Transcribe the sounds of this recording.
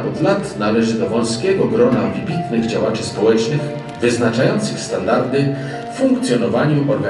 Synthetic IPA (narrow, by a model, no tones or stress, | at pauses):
ʔɔd̪lat̪nalɛʐɘd̪ɔvɔ̃w̃skʲɛɡɔɡɾɔnavʲibʲit̪nɘɣd͡ʑawat͡ʂɘspɔwɛt͡ʂnɘx | vɘznat͡ʂajɔnt̪sɘxst̪and̪aɾd̪ɘ | fuŋkt̪sʲjɔnɔvaɲuʔɔɾɡa